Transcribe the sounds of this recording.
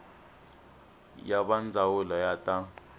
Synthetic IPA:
jaɓand͡zʱawulɔjatʼa

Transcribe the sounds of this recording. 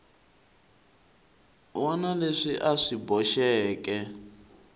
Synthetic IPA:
wɔnaleʂiʔaʂibɔʃɛːkɛ

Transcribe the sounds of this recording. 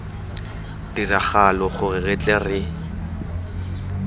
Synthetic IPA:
diraχalɔχʊrɪɣɛt͡ɬʼɛrɪ

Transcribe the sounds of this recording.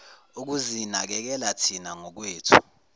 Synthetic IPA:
uk̬uzinak̬ɛk̬ɛlatʰinaŋɔk̬weːtʰu̥

